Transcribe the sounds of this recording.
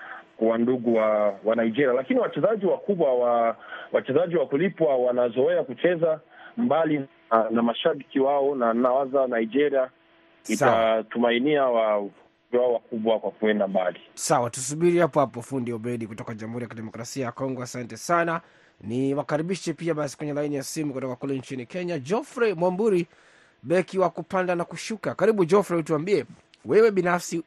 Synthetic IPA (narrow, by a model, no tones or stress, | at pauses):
kuwanduɡuwawanaid͡ʒɛɾialakiniwat͡ʃɛzaʄiwakuɓwawawat͡ʃɛzaʄiwakulipwawanazɔɛakut͡ʃɛzambali | namaʃaɓikiwaɔnanawazanaid͡ʒɛɾia | isaaatumainiawa | iwaɔwakuɓwakwakuɛndambalisawatus̬uɓiɾihapɔhapɔfundiɔɓɛɗikutɔkaʄamhuɾijakiɗɛmɔkɾasiajakɔŋɡɔasantɛsana | niwakaɾiɓiʃɛpiaɓasi̥kwɛɲɛlainijasimukutɔkakulɛɲt͡ʃinikɛɲad͡ʒɔfɾɛmwambuɾi | ɓɛkiwakupandanakuʃukakaɾiɓud͡ʒɔfɾɛtuambiɛ | wɛwɛɓinafsi